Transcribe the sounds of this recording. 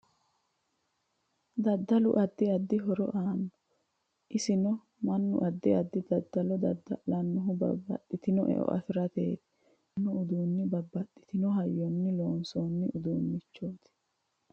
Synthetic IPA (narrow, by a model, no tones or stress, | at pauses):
d̪ɐd̪ːɐlʊ̰ʔɐd̪ːɪɐd̪ːɪɦɔɾɔ̰ʔaːnːɔ | ʔɪsɪnɔ | mɐnːʊ̰ʔɐd̪ːɪɐd̪ːɪd̪ɐd̪ːɐlɔd̪ɐd̪ɐlɐnːʊɦʊbɐ̰bːɐ̰t̪ʼːɪt̪ɪnɔʔɛ̰ʔɔ̰ʔɐ̰fɪɾɐt̪eːt̪ɪ̥ | nːɔʊd̪uːnːɪbɐbːɐt̪ʼːɪ̥t̪ɪnɔɦɐjːɔnːɪloːnsoːnːɪʔʊd̪uːnːɪt͡ʃːoːt̪ɪ̥